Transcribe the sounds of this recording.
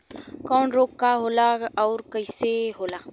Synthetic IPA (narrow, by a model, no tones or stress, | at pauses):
kɔːnɾokkːaɦolaɔɾkəiseɦola